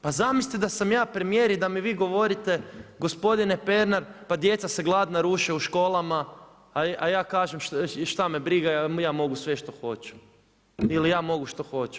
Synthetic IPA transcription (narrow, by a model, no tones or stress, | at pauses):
pazamisit̪id̪asamjaːpɾemijeɾid̪amiʋiːɡo̞ʋo̞ɾit̪e̞ɡo̞spo̞d̪inepe̞ɾnaɾpad̪jet̪saseɡlˠad̪naɾuːʃeuʃko̞ːlˠama | ajaːkaːʒemʃʃt̪amebɾiɡajaːmo̞ɡusʋeʃt̪o̞xo̞t͡ʃu̥ | ilijaːmo̞ɡuʃt̪o̞xo̞t͡ʃu̥